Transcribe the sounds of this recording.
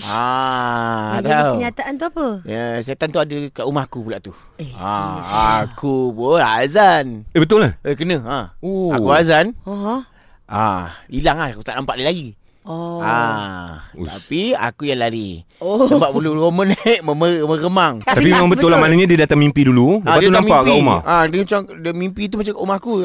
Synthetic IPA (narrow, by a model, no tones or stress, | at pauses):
a | t̪awɲat̪aʔant̪uapəəsiat̪ant̪uadəkaʔumahkupulaʔt̪u | aakʰupʊnazanebət̪̬ʊlaekənəaoakuazan | ailaŋlahkut̪a̰ʔnampaʔdilaɡi | a | t̪apia̰kujaŋlaɾḭsəbap̚puluomənʔməməməɾəmaŋt̪apimemaŋbət̪ʊlamanaɲadiədat̪amːimpidululəadaiaunammaʔkauma̰adəmət͡ʃaŋ | dəmimpit̪̬umat͡ʃamkaʔumaaku